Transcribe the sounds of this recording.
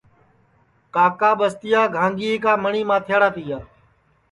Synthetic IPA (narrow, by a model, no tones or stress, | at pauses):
kaːkaːɓəst̪ɪjaːɡʱãːŋɡiːkaːməɳiːmãːt̪ʰjaːɽaːt̪iːjaː